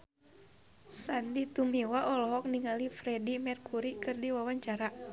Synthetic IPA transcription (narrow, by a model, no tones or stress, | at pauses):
sandit̪umiwaʔɔlɔɦɔk̚niŋalifɾɛdimɛrkuɾikɨrdiwawaɲt͡ʃaɾa